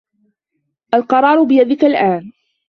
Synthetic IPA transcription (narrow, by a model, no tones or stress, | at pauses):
ʔalqɑɾˤɑːɾˤʊbɪjad̪ɪkalʔaːn